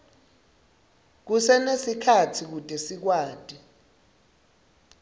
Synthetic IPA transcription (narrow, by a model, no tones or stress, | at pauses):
k̬usɛnesikʰatʰik̬utʼesik̬waːd̥ʼi